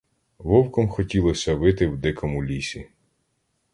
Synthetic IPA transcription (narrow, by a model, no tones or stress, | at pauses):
ʋɔwkɔmxɔtʲilˠɔsʲɐʋɪt̪ɪwd̪ɪkɔmulʲisʲi